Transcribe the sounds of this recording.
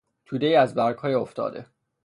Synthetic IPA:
t̪ʰud̪ejæzbæɾɡhɒːjeoft̪ɒ̰ːd̪e̞̰

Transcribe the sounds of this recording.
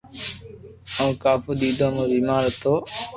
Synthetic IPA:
õːkaːfuːɗ̪iːd̪ʱãːmũːbiːmaːɾət̪ʰːoː

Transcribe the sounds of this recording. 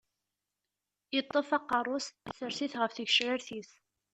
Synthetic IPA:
jət̪ˤːəfɑqːɑrˤʊsæsəɾsiθʁəfθəʝʃɾəɾθiθ

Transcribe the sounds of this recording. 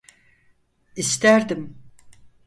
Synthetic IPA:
ist̪ʰæɾd̪im

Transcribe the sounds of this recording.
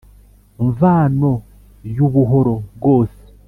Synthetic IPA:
ɱvaːno | juβuɦoɾo̞βɡoːse̥

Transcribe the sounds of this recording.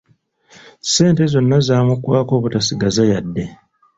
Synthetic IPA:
se̞ːnte̞zo̞nːazaːmukwaːko̞ːβutasiɡazajadːe̞

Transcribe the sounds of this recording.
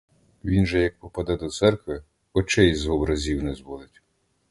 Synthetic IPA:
ʋʲinʒɛjɐk̚pɔpɐd̪ɛd̪ɔt̪sɛrkʋɪ | ɔt͡ʃɛjzɔbɾɐzʲiwnɛzbɔd̪ˠɪtʲ

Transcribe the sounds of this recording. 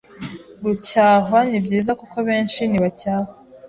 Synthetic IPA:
ɡucaːɦanibɟiːzakukoβe̞ːnʃiniβacaːhwa

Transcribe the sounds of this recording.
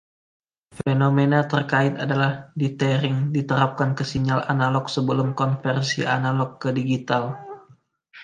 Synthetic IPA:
fenomenat̪ərkaɪt̪adalahdit̪ɛɾɪŋdit̪əɾap̚kankəsiɲala̰nalɔksəbəlʊmkɔnfɛrsianalɔkːədiɡit̪al

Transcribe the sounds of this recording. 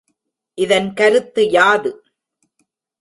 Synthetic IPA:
ʔɪðɐnkɐɾɯt̪ːɯjaːðɯ

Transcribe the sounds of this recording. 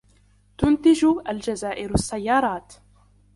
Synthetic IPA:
t̪ʊnt̪ɪd͡ʒʔald͡ʒazaːʔɪɾasːajːɑːɾˤɑːt̪

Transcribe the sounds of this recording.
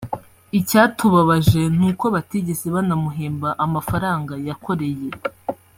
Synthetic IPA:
icaːtuβaβaʒe̞n̥uːkoβatiɟeseβanamuɦeːmbaʔamafaɾaːŋɡajakʰo̞ɾe̞je̞

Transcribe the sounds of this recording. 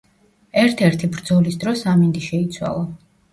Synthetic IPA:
ɛɾt̪ʰɛɾt̪ʰibɾd̪zɔlisd̪ɾɔsamind̪iʃɛit̪sʰwa̰lˠa

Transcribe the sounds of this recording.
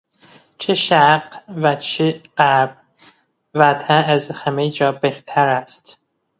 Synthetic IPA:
t͡ʃʰeʃæqvæt͡ʃʰeɢ̥æb̚ | væt̪ʰææzhæmejd͡ʒɒːbeht̪ʰæɾæst̪

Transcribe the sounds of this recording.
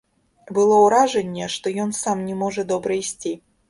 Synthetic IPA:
bɨlˠɔwɾaʐɛnʲːɛʂt̪ɔjɔnsamnʲɛmɔʐɐd̪ɔbɾɐisʲt͡sʲi

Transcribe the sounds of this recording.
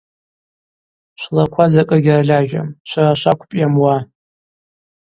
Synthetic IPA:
ʃʷlakʷʰazakʼɐɡʲɪraɮʲaʒᶣa̰mʃʷaraʃʷakʷʰpʼjamwa

